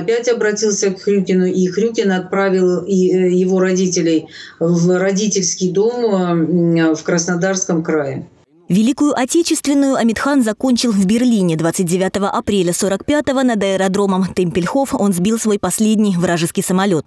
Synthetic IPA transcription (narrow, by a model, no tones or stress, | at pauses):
pʲætʲɐbɾɐtʲilˠsʲəkxɾʲukʲɪnʊʔixɾʲukʲɪnɐt̪̚pɾavʲɪlˠjɪvo̞ɾɐdʲitʲɪlʲɪjvɾɐdʲitʲɪlʲskʲɪjd̪o̞m | fkɾəsnɐd̪arskəmkɾajɪ | vʲɪlʲikʊjʊʔɐtʲet͡ɕɪst̪vʲɪnːʊjʊɐmʲɪt̪xanzɐko̞nʲt͡ɕɪlˠvbʲɪrlʲinʲɪd̪vat̪sɨt̚ʲdʲɪvʲat̪əvəʔɐpɾʲelʲəso̞ɾəkpʲat̪əvənəd̪əɪɾɐd̪ɾo̞məmt̪əmʲpʲɪlʲxo̞fo̞nzbʲilˠsvo̞jpɐsʲlʲedʲnʲɪjvɾaʐɨskʲɪjsəmɐlʲo̞t̪̚